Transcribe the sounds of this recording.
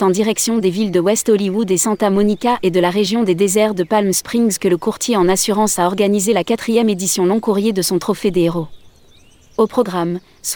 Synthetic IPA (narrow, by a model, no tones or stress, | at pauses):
t̪ɑ̃d̪iʁɛksjɔ̃d̪evild̪əwɛst̪ɔliwud̪esɑ̃t̪amɔnikʲaʔed̪əlaʁeʒjɔ̃d̪ed̪ezɛʁd̪əpalmspχĩŋzkələkuʁt̪ʰjeɑ̃nasyʁɑ̃saɔʁɡanizelakat̪χijɛmed̪isjɔ̃lɔ̃kuʁjed̪əsɔ̃t̪χɔfed̪eʁo | opχɔɡʁam | s